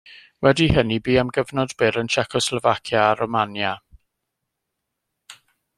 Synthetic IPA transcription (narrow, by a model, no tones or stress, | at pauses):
wɛdihənibiːamɡəvnɔdbɪɾənʃɛkʰɔslɔvakʰjaːɾɔmanja